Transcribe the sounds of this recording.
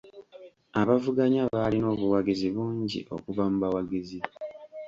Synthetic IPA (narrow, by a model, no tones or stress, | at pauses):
aβavuɡaɲaβalino̞ːβuwaɡiziβuːɲɟḭʔo̞̰kuvamuβawaɡizi